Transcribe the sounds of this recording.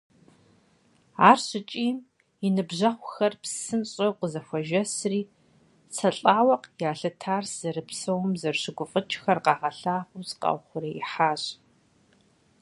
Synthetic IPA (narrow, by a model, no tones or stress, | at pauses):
aːrɕɪt͡ʃʼiːm | inɨbʑɐχʷʊxɐrpsɨnɕʼɐwqəzɐxʷɐʒɐsriː | t͡sʰɐɬʼaːwɐqjaːɬɐtʰaːrsz̥ɐɾɨpsɐwmzɐrɕɪɡʷʊfʼət͡ʃʼxɐrqɑːʁɐɬaːχʷusqɑ̰wχʷʊɾɐiħaːɕʼ